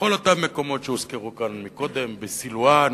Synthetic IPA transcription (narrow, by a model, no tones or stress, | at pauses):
olot̪amːeko̞mo̞t̪ʃeuskeʁukanmiko̞d̪e̞mbesiluan